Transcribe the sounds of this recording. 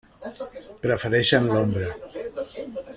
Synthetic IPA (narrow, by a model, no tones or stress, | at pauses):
pɾəfəɾɛʃənlombɾə